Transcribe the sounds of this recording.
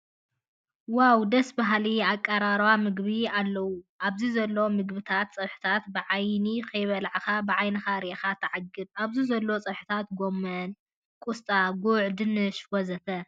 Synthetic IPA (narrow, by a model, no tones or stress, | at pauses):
wawd̪ɐsbaɦliakʼːɐɾaɾwamɨɡβialːɐwuʔaβzizɐlːo̞mɨɡbɨt̪ʰat̪t͡sʼɨħɨ̥t̪ʰat̪bɨʕajnikʰɐjβɐlʕaxabɨʕajnɐxaɾixat̪ʰɨʕaɡɨd̪aβzizɐlːo̞t͡sʼɨħɨ̥t̪ʰat̪ɡo̞mːɐn | kʼust̪ʼaɡuʕd̪ɨnɨʃwɔzɐt̪ʰɐ